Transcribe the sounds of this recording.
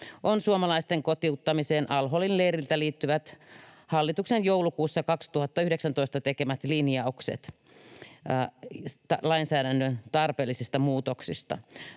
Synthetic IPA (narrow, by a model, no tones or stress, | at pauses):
ʔonsuomɑlɑist̪eŋkot̪iut̪ːɑmiseːnʔɑlɦolinleːɾilt̪æliːt̪ːyʋæt̪ | hɑlːit̪uksenjowlukuːsːɑkɑkst̪uhɑt̪ːɑyhdeksænt̪oist̪ɑt̪ekemæt̪linjɑoksḛt̪ | t̪ɑlɑinsæːɾænːønt̪ɑrpeːlːisist̪ɑmuːt̪oksist̪ɑ̰